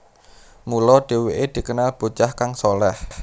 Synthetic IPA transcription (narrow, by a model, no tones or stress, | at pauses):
mulɔɖ̥e̤weʔed̪̥i̤kənalb̥o̤t͡ʃahkaŋsolɛh